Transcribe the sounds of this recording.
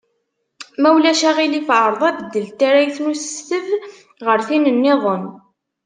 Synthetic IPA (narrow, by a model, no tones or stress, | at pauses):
mæwlæʃæʁilifʕəɾˤðˤɑðd̪ːəlt̪aɾæjθnusəst̪əv | ʁəɾθinənːɪðˤən